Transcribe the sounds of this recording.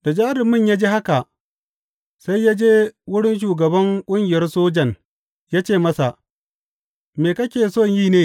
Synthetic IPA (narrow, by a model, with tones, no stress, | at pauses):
d̥a˨d͡ʒaː˦ɾɪ˨mɪ˦˨ɲjaː˦d͡ʒeː˦ha˦ka˨ʔ | sa˦jːa˦d͡ʒeː˦wʊ˦ɽɪ˦nʃ̬uː˨ɡɐ˨bɐ˦ŋkʷʼʊ˦ŋɡʲɪ˨jɐ˦rsoː˦d͡ʒɐ˨n | jaː˦t͡ʃeː˦˨mɐ˦sa˨ | meː˨kɐ˦kʲeː˨soː˦˨ɲjiː˦neː˦